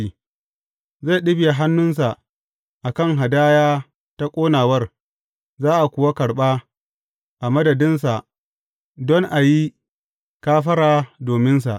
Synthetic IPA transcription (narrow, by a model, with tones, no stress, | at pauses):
i˦ | za˦˨ɗɪ˦bja˨ɦa˦nːʊ˦ns̬a˨ | ʔa˨kɐ˦˨ŋɦa˨daː˦jaː˦ | ta˦kʷʼoː˦naː˨wɐ˦r | zaː˦ʔa˨kʷʊ˨wa˦kɐ˨ɽɓaː˦ | ʔa˨mɐ˦dɐ˨dɪ˦nsa˨ʔ | dɔ˦ŋʔa˨ji˦ | kaː˦ɸɐ˦ɾaː˨doː˨mɪ˦ns̬a̰˨ʔ